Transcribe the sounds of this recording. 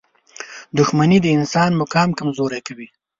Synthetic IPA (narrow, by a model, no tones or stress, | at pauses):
d̪ʊxmanid̪əɪnsɑnmʊkɑmkamzoɾekawi